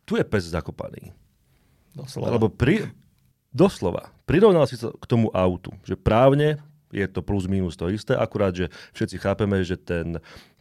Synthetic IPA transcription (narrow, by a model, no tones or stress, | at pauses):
t̪ujɛpɛzzakɔpa̰nḭː | a̰lɛbɔpɾi | d̪ɔslɔʋa̰pɾiɾɔʊnalsisa̰kt̪ɔmuʔaʊt̪ṵʒɛpɾaːʊɲɛ | jɛt̪ɔpluzmiːnust̪ɔist̪ɛːʔakuɾaːd̪ʒɛfʃɛt͡sixaːpɛmɛʒɛt̪ɛn